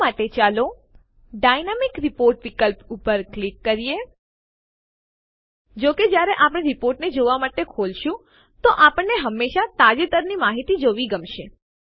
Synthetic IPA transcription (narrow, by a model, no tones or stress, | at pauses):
aʈet͡ʃalo | ɖajnamikɾipoɾʈʋikəlpupəɾklikːəɾije | d͡ʒoked͡ʒjaɾeʔapəɽ̃eɾipoɾʈned͡ʒoʋamaʈekʰolʃũ | t̪oʔapəɳːeɦəmːeʃat̪ad͡ʒet̪əɾnimaɦit̪id͡ʒoʋiɡəmʃe